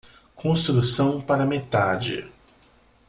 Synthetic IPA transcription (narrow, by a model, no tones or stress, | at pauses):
kʰõst̪ɾusɐ̃w̃paɾɐmet̪ad͡ʒɪ̰